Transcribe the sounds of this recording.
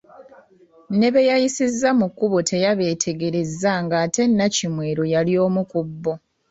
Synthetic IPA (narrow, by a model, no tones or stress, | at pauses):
ne̞βe̞jajisizːamukːuβotʰe̞jaβe̞ːtʰe̞ɡe̞ɾe̞zːaŋɡaːte̞nːacimweːɾojalio̞ːmukubːo̞